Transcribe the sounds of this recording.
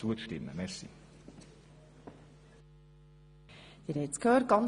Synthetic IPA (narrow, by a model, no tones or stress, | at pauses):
uətʃtɪmːə̰mɛrsḭ | d̥̪iɾɛt͡skʰøːɾ̚ɡ̥ɑn